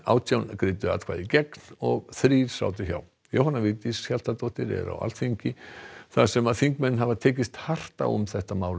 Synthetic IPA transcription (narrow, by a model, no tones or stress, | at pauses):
a̰ːwt̪jawnkɾɪːt̪ʏa̰t̪kʰa̰ːðicɛknɔɣθɾiːɾ̥sa̰ːwt̪̬ɪça̰w | jo̰whanːavɪːt̪isçjal̥t̪at̪owht̪ɪɾɛ̰ɾa̰wa̰lt̪fiɲcɪθasɛmaðθfiŋkmɛnːɦavat̪ʰɛːc̬ɪst̪har̥t̪a̰ʊ̰mθɛht̪amaːwl